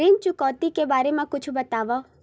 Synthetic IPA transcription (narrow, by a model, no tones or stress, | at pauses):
int͡ʃukɔːt̪ikebaːɾemãkʊt͡ʃʰubət̪aːʋɔ